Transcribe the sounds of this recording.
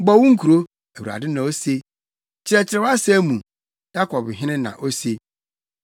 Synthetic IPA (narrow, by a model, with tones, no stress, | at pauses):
ɡ͡bɔ˦wʊ̃˦ŋ̩˦kʰu˨ɾo˦ | æ˨wu˨a̰˨dɪ˦nã˨o˦se˦ | t͡ɕʰɪ˨ɾɛ˨t͡ɕʰɪ˨ɾɛ˦wa˦sɛ˦mũ˨ | ja˦kʰɔ˨bɦɪ̃˦nɪ̃˦nã̰˨ʔo˦se˨